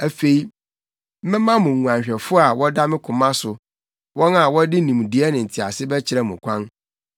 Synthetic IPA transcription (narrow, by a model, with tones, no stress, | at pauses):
æ˨fe˨i˦ | mɪ̃˦mã˦mʊ̃˨ŋũ˨ã˨ɲ˨ɕᶣɛ˨fʊ˦a˨wɔ˦da˦mɪ̃˦kʰʊ̃˨mã˦sʊ˨ | wɔ̃˦na˨wɔ˦dɪ˦nĩ˨m˨di˨ɛ˦nɪ̃˨n̩˨tʰi˨a̰˨sɪ˦bɛ˦t͡ɕʰɪ˦ɾɛ˦˨mʊ̃˨kʷʰã˦n